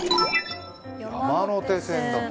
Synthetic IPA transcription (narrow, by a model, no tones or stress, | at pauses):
amaːnoːt̪eːseːnt̪a